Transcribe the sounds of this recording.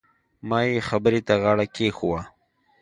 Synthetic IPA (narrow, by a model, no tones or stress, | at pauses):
mɑːjexabəɾet̪aɣɑːɽakexuwa